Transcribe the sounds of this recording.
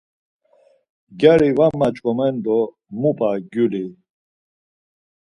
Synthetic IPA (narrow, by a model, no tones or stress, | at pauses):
ɡɛɾivamːat͡ʃʼkʼɔmɛnd̪ɔ | mupʼaɡuli